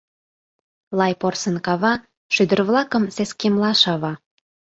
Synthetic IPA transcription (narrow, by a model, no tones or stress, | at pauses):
lɑjporsə̆nkɑβɑ | ʃyd̪ərβlɑkə̆mseskemlɑʃɑβɑ